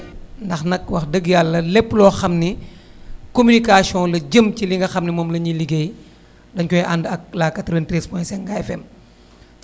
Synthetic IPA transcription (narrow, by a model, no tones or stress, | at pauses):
ndɐxnɐk̚wɐxdəɡjalːɐlɛpːlɔːxɐmni | komynikasiɔ̃lɐɟəmbciliŋɡɐxɐmnimɔːmlɐɲiliɡej | dɐnkɔjʔandɐk̚laːkːɐtɾɛntɾɛspɔ̃jsɛŋɡafɛm